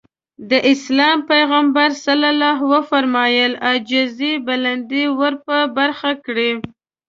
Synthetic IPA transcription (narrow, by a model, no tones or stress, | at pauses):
d̪əʔɪslɑmpajɣambaɾsalalɑɦwəfaɾmɑjəlad͡ʒɪzibaland̪iwəɾpəbaɾxakɽi